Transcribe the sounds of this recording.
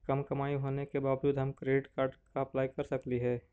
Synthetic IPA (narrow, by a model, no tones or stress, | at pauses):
kɐmkɐmaːiɦoːnekebaːʋd͡ʒuːd̪ɦɐmkɾeːɖɪʈkaːɾɖkaɐplaːikɐɾsɐkliɦɛː